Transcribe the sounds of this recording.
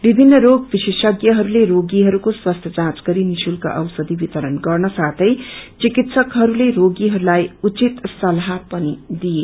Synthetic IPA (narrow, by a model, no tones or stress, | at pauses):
bibʱinːʌɾoɡbisesʌɡjʌɦʌɾuleɾoɡiɦʌɾukoswast̪ʰjʌt͡sãt͡sɡʌɾinisulka̰ʔʌwsʌd̪ibit̪ʌɾʌnɡʌrnʌsat̪ʰʌjt͡sikit̪sʌkɦʌɾuleɾoɡiɦʌɾulajut͡sit̪sʌlɦapʌnid̪ije